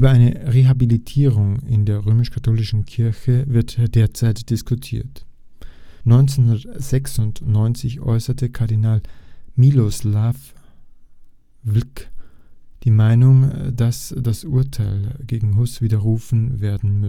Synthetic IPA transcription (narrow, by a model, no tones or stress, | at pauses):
ʔyːbɐaɪnəʁeɦabilitʰiːʁ̞ʊŋɪ̰ndeːɐʁøːmɪʃkʰatʰoːlɪʃn̩kʰɪɐçəvɪɐtd̥eːɐt͡saɪtd̥ɪskʰʊtʰḭːɐt | nɔʏnt͡senhundɐtz̥ɛksʊntnɔʏnt͡sɪçʔɔ̰ʏsɐtəkʰaɐdinaːlmiloslaf | vlk | d̥iːmaɪnʊŋdasd̥asʔʊɐtʰaɪlɡeːɡŋ̩ɦʊsv̥iːdɐʁ̞uːfn̩veːɐdn̩m